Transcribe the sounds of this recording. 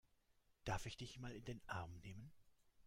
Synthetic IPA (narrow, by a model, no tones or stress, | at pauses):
d̥aɐfɪçd̥ɪçmaːlɪndeːnʔaɐmneːmən